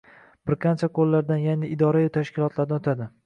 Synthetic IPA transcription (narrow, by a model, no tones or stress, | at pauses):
b̥ɪɾqʰɑnt͡ʃʰaqʰolˠːaɾd̪anjanɪɪd̪ɒɾajʊt̪ʰaʃkʲɪlˠɒt̪ʰlaɾnt̪ʰad̪ɪ